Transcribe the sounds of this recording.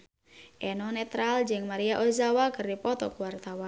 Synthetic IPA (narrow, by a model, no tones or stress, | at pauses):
ʔɛnɔnɛt̪ɾald͡ʒɨŋmaɾijaʔozawakɨrdipɔt̪ɔkwart̪awan